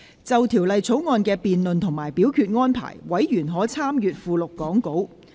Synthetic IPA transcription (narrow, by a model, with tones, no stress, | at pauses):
t͡sɐ˨wt̪ʰiː˨˩wlɐ˨jt͡sʰo˨˥wŋɔː˨˧nkɛː˧piː˨nlɵ˨nt̪ʰʊ˨˩ŋmaː˨˩jpiː˨˥wkʰyː˧t̚ŋɔː˥npʰa̰ː˨˩jwɐ˨˥jjyː˨˩nɦɔː˨˥t͡sʰaː˥mjyː˨t̚fuː˨˧lʊ˨kːɔː˨˥ŋko˨˥w